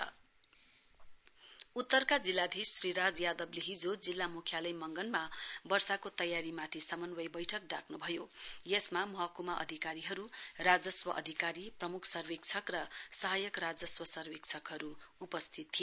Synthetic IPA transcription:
ut̪ːʌrkad͡zilːad̪ʱisːriɾad͡zjad̪ʌbliɦid͡zod͡zilːamukʰjalʌjmʌŋɡʌnmabʌrsakot̪ʌjaɾimat̪ʰisʌmʌnbʌjbʌjʈʰʌk̚ɖakʰnubʱʌjojesmamʌɦakumaʔʌ̰d̪ʱikaɾiɦʌɾurad͡zʌswʌʔʌ̰d̪ʱikaɾiprʌmukʰsʌrwik̚t͡sʰʌkrʌsʌɦajʌkrad͡zʌswʌsʌrwikt͡sʰʌkɦʌɾuupʌst̪ʰit̪ʰːijo

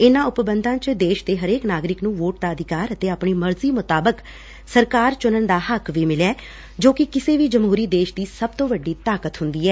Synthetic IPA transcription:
ɪnãːʊpbənd̪ʱãːt͡ʃd̪eːʃd̪eːɦəɾeːknaːɡɾɪknũːʋoːʈ̚d̪aːəd̪ɪkaːɾət̪eːaːpɳiːməɾziːmʊt̪aːbək | səɾkaːɾt͡ʃʊnənd̪aːɦəkʋiːmɪlɛː | d͡ʒoːkɪkɪseːʋiːd͡ʒəmɦuːɾiːd̪eːʃd̪iːsəb̚t̪õːʋəɖːiːt̪aːkət̪ɦʊ̃nd̪iːɛː

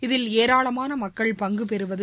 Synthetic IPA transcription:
ɪðɪleːɾaːɭɐmaːnɐmɐkːɐɭpɐŋɡɯpɛɾɯʋɐðɯ

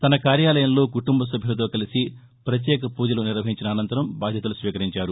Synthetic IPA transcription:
t̪ɐnɐkaːɾjaːlɐjɐmlo̞ːkuʈumbɐs̬ɐbʱjilɐt̪o̞ːkɐlisi | pɾɐt̪̬jɛːkɐpuːd͡ʒɐluniɾʋɐɦiɲt͡ʃinɐːnɐnt̪ɐɾɐmbaːd̪ʱjɐt̪ulusʋiːkɐɾiɲt͡ʃaːɾu

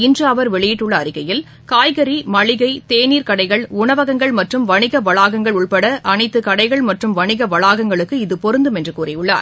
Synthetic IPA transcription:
ɪndrɯɐʋɐɾʋɛɭɪjɪʈːɯɭːɐːɾɪɣɐjɪl | kaːjɣɐɾimɐɭɪɣɐɪt̪eːniːɾkɐɽɐɪɣɐɭʊɳɐʋɐɣɐŋɡɐɭmɐʈrɯmʋɐɳɪɣɐʋɐɭaːɣɐŋɡɐɭʊɭpɐɽɐʔɐɳɐɪt̪ːɯkɐɽɐɪɣɐɭmɐʈrɯmʋɐɳɪɣɐʋɐɭaːɣɐŋɡɐɭɯkːɯɪðɯpɔɾɯnd̪ɯmɛndrɯkuːrɐjʊɭːa̰ːɾ

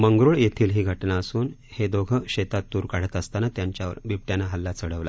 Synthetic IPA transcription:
məŋɡɾuːɭjet̪ʰiːlɦiːɡʱəʈnaəsuːnhed̪oɡʱəɕet̪at̪ːuːɾkaɽ̤ət̪əst̪anat̪jaɲt͡ɕjaʋə̰ɾbipʈjanaɦəlːat͡səɽ̤əʋla̰

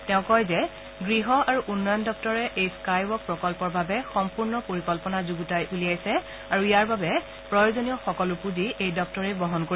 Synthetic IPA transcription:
tɛʊ̃kɔjzɛ | ɡɹiɦɔaɹuʔunːɔjɔndɔk̚tɔɹɛʔejskajbɔk̚pɹɔkɔlpɔɹbʱabɛxɔmpuɹnɔpoɹikɔlpɔnazuɡutajʔulijajsɛ | aɹuijaɹbabɛ | pɹɔjozonijɔxɔkɔlupuziejdɔk̚tɔɹɛbɹɔɦɔnkoi

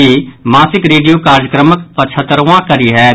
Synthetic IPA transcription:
iːmaːsɪkɾeːɖijoːkaːɾjəkɾəməkpət͡ʃʰət̪ːɾːãːkəɾiːɦɛː

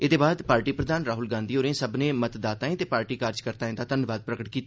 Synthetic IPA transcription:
ɪd̪eːbaːd̪paːɾʈiːpɾəd̪aːnɾaːɦʊlɡãːnd̪iːoːɾẽːsəbnẽːmət̪d̪aːt̪aːẽːt̪eːpaːɾʈiːkaːɾd͡ʒkəɾt̪aːẽːd̪aːt̪ənʋaːd̪̚pɾəkəʈ̚kiːt̪ː

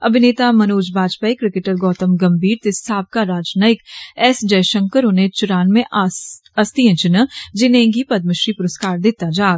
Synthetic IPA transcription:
ɐbʱɪneːt̪amɐnoːd͡ʒbaːd͡ʒpaikɾɪkeʈəɾɡɔːt̪əmɡɐmbʱiːɾt̪ɪsʰaːb̚kaɾaːd͡ʒnaːɪkɛːsd͡ʒɐjʃə̃ŋkəɾʊnẽt͡ʃʊɾaːnmẽʔɐst̪iɐ̃t͡ʃɪnəd͡ʒɪnẽɡipɐd̪mɪʃɾipʊɾəskaːɾd̪ɪt̪ad͡ʒaː

